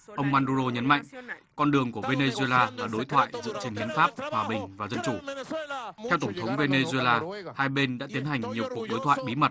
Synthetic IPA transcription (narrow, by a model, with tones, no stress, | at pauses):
ʔə˧wŋ͡mmaː˧nɗu˧zo˧ɲə˨˦nma̰˧˨jŋ̟kɔ˧nɗɨ˨˩əŋku˧˩əve˧ne˧zwe˧laː˧laː˨˩ɗo˨˦jt̪ʰwa̰ː˧˨jzɨ̰˧˨ət͡ɕe˧nhi˨˦ənfaː˦˥p̚hwaː˨˩ɓï˨˩ŋ̟vaː˨˩zə˧nt͡ɕu˧˩ | t̪ʰɛ˧wt̪ə˧˩ŋ͡mt̪ʰə˨˦wŋ͡mve˧ne˧zu˧e˧laː˧haː˧jɓe˧nɗa̰ː˧˥t̪i˨˦ənha˨˩jŋ̟ɲi˨˩əwku˨˩ək̚ɗo˨˦jt̪ʰwa̰ː˧˨jɓi˨˦mə˨˩t̚